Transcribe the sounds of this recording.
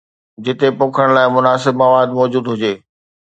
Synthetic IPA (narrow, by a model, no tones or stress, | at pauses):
d͡ʑɪt̪epõːkʰəɽ̃laːɪmʊnaːsɪbmɐʋaːd̪mɔːd͡ʑuːd̪ɦʊd͡ʑeː